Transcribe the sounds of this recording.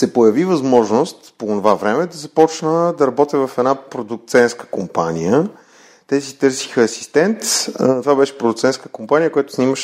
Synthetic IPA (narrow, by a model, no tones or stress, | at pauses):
sɛpojɐvivɐzmɔʒnost̪poːnovavɾɛmɛd̪ɐzɐpɔt͡ʃnəd̪ɐɾɐbɔt̪əvɐfɛd̪napɾod̪ʊk̚t̪sɛnskə̥kompanijə | t̪ɛsit̪ɤɾsi̥xəɐsi̥st̪ɛnt̪t̪ovabɛʃɛ̥pɾod̪ʊkt̪sɛnskə̥kompanijəkojat̪ʊ̥sniməʃ